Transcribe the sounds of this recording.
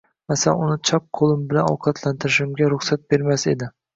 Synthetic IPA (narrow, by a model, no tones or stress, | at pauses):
masala̰nʊnɪt͡ʃʰɒp̚qʰolˠɪmbɪlanɒ̰wqʰɑt̪ʰlant̪ʰɪɾɪʃɪmɡʲaɾʊχsat̪̚be̞ɾmased̪ɪ